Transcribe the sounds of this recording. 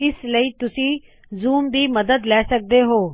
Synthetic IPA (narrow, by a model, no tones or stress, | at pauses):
ɪsləiːt̪ʊsĩː | zuːmd̪iːmɐd̪əd̪lɛːsək̚d̪eɦoː